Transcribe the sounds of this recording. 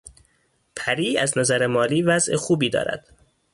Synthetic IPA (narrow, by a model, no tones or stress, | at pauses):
pʰæɾiːæznæzæɾemɒːliːvæzʔexuːbiːd̪ɒ̰ːɾæ̰d̪̥